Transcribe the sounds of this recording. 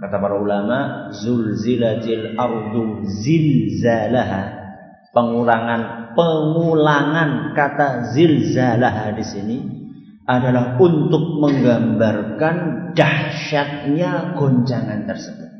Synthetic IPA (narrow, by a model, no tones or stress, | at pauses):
kat̪apaɾaulamaʔzʊlzilat̪ilɑrd̪ʊzɪlzalaɦa | pəŋulaŋanpəŋulaŋankat̪azɪlzalaɦadisini | ʔadalahunt̪ʊk̚məŋɡambarkand̥ahʃat̪̚ɲaɡ̥oɲt͡ʃaŋant̪ərsəbʊt̪̚